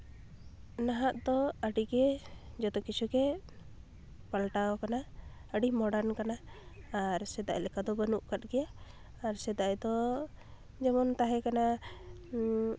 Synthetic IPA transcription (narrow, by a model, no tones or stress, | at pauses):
naɦaʔd̪ɔəɖiɡɛd͡ʒɔt̪ɔkit͡ʃʰukɛ | palʈaɔkana | əɖimɔɖaɾnkanaː | ɾsɛd̪a̰ʔlɛkad̪ɔbənuʔkat̪̚ˀɡɛjaː | ɾsɛd̪aʔd̪ɔ | d͡ʒɛmɔnt̪aɦɛkana